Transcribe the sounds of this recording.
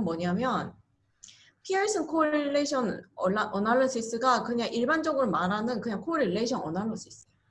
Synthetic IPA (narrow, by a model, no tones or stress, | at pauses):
mwʌɲamjʌn | pʰieɭs͈ʰɯnkʰoɾiɭːeɕʰʌnʌaʔʌnaɭːosʰis͈ɯɡakɯɲaŋʔiɭband͡ʑʌɡɯɾomaɾɦanɯnkɯɲaŋkʰoɾiɭːe̞iɕʰʌnʌnaɭːosʰis͈ɯjo